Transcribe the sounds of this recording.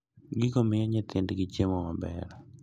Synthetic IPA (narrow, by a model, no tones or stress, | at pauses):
ɡɪkomɪjɔɲɪt̪ʰɪndɡɪt͡ʃemɔmabɛ̰ɾ